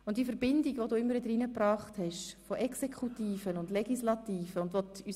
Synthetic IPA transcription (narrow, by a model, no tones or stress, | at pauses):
ʊntd̥iːfəɾb̥ɪndiɡʋoduːɪmːəɾvɪdəɾinəpɾɑːχthɛʃfoʔɛksekʰχutiːfənʊndlɛɡ̥islɑtiːfəʊndʋoty